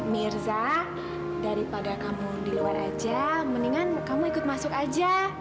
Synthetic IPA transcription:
mirza | daɾipadakamudiluaɾa̰d͡ʒaməniŋankamuikʊt̪̚masʊkad͡ʒa

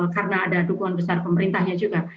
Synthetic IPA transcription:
karənaːdadukuŋanbəsarpəməɾint̪ahɲad͡ʒuɡa

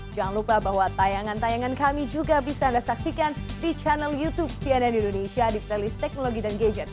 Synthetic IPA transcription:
d͡ʒaŋanlupahbahwat̪ajaŋant̪ajaŋankamid͡ʒuɡabisaːndasaksikandit͡ʃanɛljut̪ub̚siɛnɛnindonesiadikt̪ɛlist̪ɛk̚noloɡidanɡed͡ʒɛn

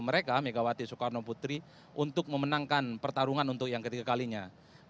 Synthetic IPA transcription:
məɾekameɡawat̪isukarnoput̪ɾi | ʔunt̪ʊk̚məmənaŋkanpərt̪aɾuŋanunt̪ʊk̚jaŋkət̪iɡakaliɲa

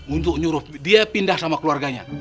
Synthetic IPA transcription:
unt̪ʊk̚ɲuɾʊdiapindahsamakəluarɡaɲa̰

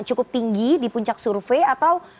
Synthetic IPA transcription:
t͡ʃukʊp̚t̪iŋɡidipuɲt͡ʃaksurfeat̪aw

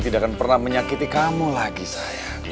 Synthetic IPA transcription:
t̪idakanpərnahməɲakit̪ikamulaɡisaja

